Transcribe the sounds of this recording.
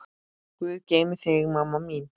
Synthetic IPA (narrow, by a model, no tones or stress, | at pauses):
kuðkemθeɣmamamin